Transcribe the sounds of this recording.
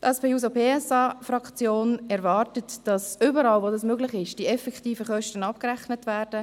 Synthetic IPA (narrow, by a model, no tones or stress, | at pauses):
tʔɛspeːuːs̬opeːɛsɑːfɾɑkt͡sjoːnɛɾvɑːrtətd̥ɑsʏbəɾɑːlvodɑsmøɡlɪχɪʃd̥iɛfɛktiːfəχœʃtənɑp̚kɾæχnətvɛːɾdə